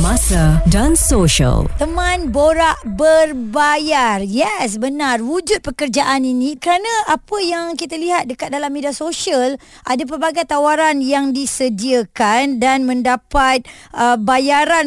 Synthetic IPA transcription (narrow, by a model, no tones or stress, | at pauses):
masadansoʃə̰lt̪əmãnboɾaʔbərbajarjɛs̬bənarwud͡ʒʊt̪̚pəkərd͡ʒaʔaninĩkəɾanãʔapəjaŋkit̪aliɦat̪̚dəkat̪̚dalamːediasoʃiəl | ʔadap̬ərbaɡajt̪awaɾanjaŋdisədiəkandanmə̃ndapat̪̚ | əbajaɾan